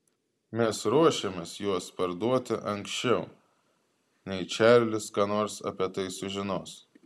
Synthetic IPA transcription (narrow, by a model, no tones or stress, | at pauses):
mʲɛsɾuɔʃʲemʲeːsjuɔspɐɾd̪uɔt̪ʲɪʔɐŋksʲt͡ʃʲɛʊ | nʲɛɪt͡ʃʲæːˑlʲlʲɪskɑːnoːɾsɐ̰pʲiɛt̪ɐɪsʊʒʲɪnoːs